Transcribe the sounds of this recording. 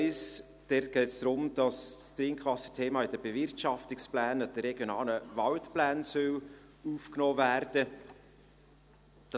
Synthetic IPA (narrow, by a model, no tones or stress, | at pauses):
ɪs | d̥ɛt̚ɡ̥ɛɪtsd̥ɾʊmd̥ɑsstɾɪŋkχʋɑsə̥tʰeːmɑːɪd̥əb̥evɪrtʃɑftɪksplæːnəd̥əɾɛɡjonɑːləvɑltplæːnsœl | uːfknoːvæːɾd̥ə | d̥ɑ